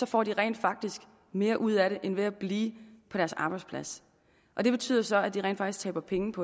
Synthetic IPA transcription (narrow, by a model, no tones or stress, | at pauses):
sɒ̽fɒ̰ːd̥iʁɛ̰ɪnd̥fɑ̈ɡ̥̚d̥isɡ̥ | me̝ːɐʔuð̞̰ˠæɾe̝ʔenʋe̝æb̥liːpʰɒ̥æɐsɑ̈ːb̥ɑ̈ɪd̥spʰlæs | ʔɒ̽d̥e̝b̥e̝t͡sʰy̰ːðˠɐsɒ̽æd̥iʁɛ̰ːnfɑɡ̥isɡ̥t͡sʰɛ̰ːb̥ɐpʰeŋn̩pʰɒ̽